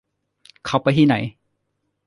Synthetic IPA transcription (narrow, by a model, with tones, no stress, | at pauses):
kʰa˨˧˩wpa˧jt̪ʰiː˥˩na̰˩˦j